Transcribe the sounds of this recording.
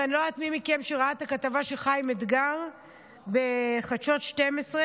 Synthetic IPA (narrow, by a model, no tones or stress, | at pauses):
anoat̪mimikemʃeʁaat̪akat̪avaʃeχajmid̪ɡaʁ | beχaʃo̞tʃtemesʁe